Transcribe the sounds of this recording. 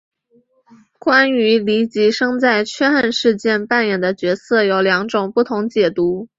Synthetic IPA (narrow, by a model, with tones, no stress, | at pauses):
kwa˥ny˧˥li˧˥t͡ɕi˧˥ʂɤ˥ŋt͡sa˥˩ɪt͡ɕʰɥɛ˥xə˥˧nʂɻ̩˥˧t͡ɕjɛ˥˧npa˥˩njɛ˨˩nd̪ə˦t͡ɕɥɛ˧˥sɤ˥˩jo˨˧˩ʊljɑ˧˥ŋʈ͡ʂʊ˨˩ŋpu˥˩t̪ʰʊ˧˥ŋt͡ɕjɛ˨˩t̪u˧˥